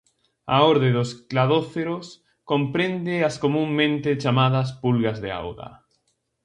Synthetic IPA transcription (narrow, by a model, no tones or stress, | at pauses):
a̰oɾðeðosklaðoθeɾos | kompɾẽnd̪easkomũŋːẽnt̪et͡ʃamað̞as̬pulɣazðea̰wða̰